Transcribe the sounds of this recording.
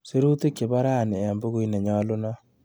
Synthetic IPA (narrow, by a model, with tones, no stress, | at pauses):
se˦ɾu˦te˦kːe˨ba˦ɾa˦˨ne˨a˨mbo˦ku˦i˦nɛ˨ɲɔ˦lo˦na˦